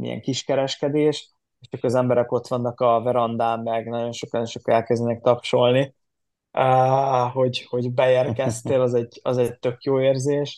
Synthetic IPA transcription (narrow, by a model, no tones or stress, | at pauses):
mḭjɛ̰ŋkiʃkɛɾɛʃkɛd̪eːʃ | eʃt͡ʃɒkɒzɛmbɛɾɛko̞t̪ʋɒnːɒkɒvɛɾɒnd̪aːmːɛɡnɒɟo̞nʃo̞konʃokɒɛlkɛzd̪ɛnɛk̚t̪ɒpʃo̞lni | øɦo̞ɟho̞ɟbɛeːrkɛst̪eːlɒzɛɟɒ̰zɛɟ̚t̪ø̞kjoːeːrzeːʃ